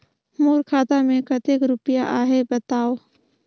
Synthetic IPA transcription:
moːɾkʰaːt̪amẽkət̪eːkɾʊpɪjaʔaːɦebət̪aːoː

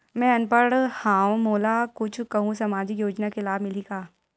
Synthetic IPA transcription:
mɛ̃ɐnpəɽhãːwmoːlaːkʊt͡ʃʰkɐɦũsɐmaːd͡ʒɪkjoːd͡ʒnakelaːbmɪlikaː

